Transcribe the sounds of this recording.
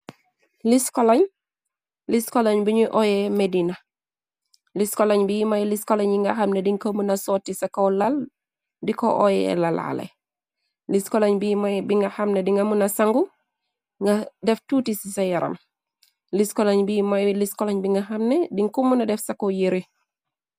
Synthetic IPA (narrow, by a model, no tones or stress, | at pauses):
liskɔlaɲ | liskɔlaɲbiɲuʔɔjɛmedinɐ | liskɔlɐɲbijimajliskɔlaɲbiŋɡaxamnɛdiŋkomunɐsɔːtːisakɐwlal | dikɔʔɔjɛ̰lala̰lɛ̰ | liskɔlaɲbimabiŋɡahɐmnɛdiŋɡamunɐsaŋɡu | ŋɡadɛftutisisajɐɾʔɐ̰m | liskɔlaɲbimajliskɔlaɲbiŋɡaxamnɛdiŋkumunɐdɛfsɐkojeɾi